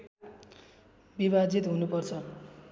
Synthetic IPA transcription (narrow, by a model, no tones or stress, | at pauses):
biβad͡zit̪ɦunupʌrt͡sʰʌ